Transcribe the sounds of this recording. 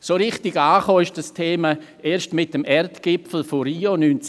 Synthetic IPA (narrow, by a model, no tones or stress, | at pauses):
soːɾɪχtɪɡaːχoːɪʃd̥ɐstʰeːma | eːʃtmɪtəmɛrtɡ̥ɪpfl̩foriːonyːnt͡s